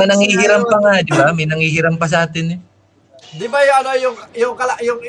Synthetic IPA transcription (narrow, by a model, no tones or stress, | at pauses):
anaŋiɦiɾampaŋad͡ʒuaminaŋiɦiɾampas̬at̪ɪni | dibajoanojujokalaʔjoŋ